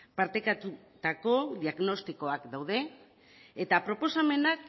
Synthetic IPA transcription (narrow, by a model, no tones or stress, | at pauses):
paɾt̪ekat̪u | t̪ako̞ðiaɣno̞st̪ikoakd̪awð̞e̞ː | t̪apɾo̞po̞same̞nak